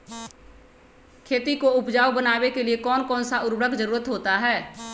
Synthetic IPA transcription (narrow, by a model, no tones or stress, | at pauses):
kʰeːt̪ikoʊpd͡ʒaːwbənaːwekeliekɔːnkɔːnsaʊɾbɽəkd͡ʒəɾuːɾət̪ɦoːt̪aɦɛː